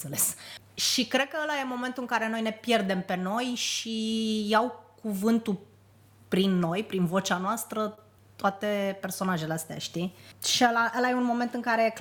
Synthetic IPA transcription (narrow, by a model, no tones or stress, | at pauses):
seles | ʃikɾe̞d̪̚kəəlajemo̞me̞nt̪uɨŋkaɾe̞no̞jne̞pje̞rd̪e̞mpe̞no̞jʃijawkuvɨnt̪u | pɾinːo̞jpɾinvo̞t͡ʃeanoast̪ɾə | t̪oat̪e̞pe̞rso̞naʒe̞least̪eja̰ʃt̪iʃiəlaʔəlajeunmo̞me̞nt̪ɨŋkaɾe̞jek